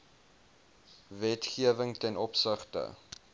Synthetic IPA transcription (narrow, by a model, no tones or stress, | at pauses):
vɛtχiəvəŋtɛnɔpsəχtə̰